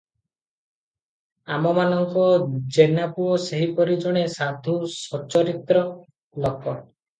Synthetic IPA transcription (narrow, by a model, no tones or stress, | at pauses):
amɔmanɔŋkɔd͡ʒenapuɔseɦipɔɾid͡ʒɔɽ̃esad̪ʱusɔt͡ʃɔɾit̪ɾɔ | lɔkɔ